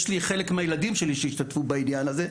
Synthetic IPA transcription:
ʃliχele̞kmeajeladimʃeliʃejiʃt̪at̪fubainjanaze

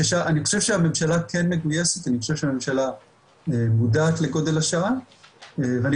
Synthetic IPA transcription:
eʃaʔaniχoʃe̞vʃeame̞mʃalakʰenmeɡujeset̪aniχo̞ʃe̞vʃeame̞mʃala | emudaːt̪le̞ɡo̞d̪e̞laʃaa | eveani

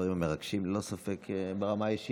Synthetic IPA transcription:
aʁimameʁaɡʃimlo̞safekʰbeʁamajiʃi

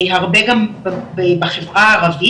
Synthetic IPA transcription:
jɦaʁbeɡambbebeχevʁaːʁavi

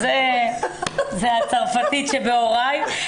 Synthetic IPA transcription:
ze | zehat͡saʁfat̪itʃebeoʁaj

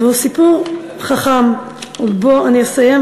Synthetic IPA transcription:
vehusipuʁ | χaχam | uboaniesajem

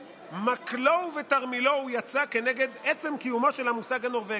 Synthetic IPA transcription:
maklovetaʁmilo̞ujat͡sake̞neɡe̞d̪et͡se̞mkijumo̞ʃelhamusaɡano̞ʁve

